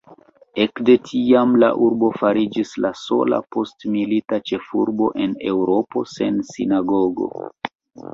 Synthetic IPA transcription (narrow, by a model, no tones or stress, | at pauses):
e̞kde̞tʰiamla̰ʔuɾbo̞faɾid͡ʒislaso̞̰la̰po̞stmilitat͡ʃe̞fuɾbo̞̰ʔe̞ne̞wɾo̞po̞se̞nsḭnaɡo̞ɡo̞̰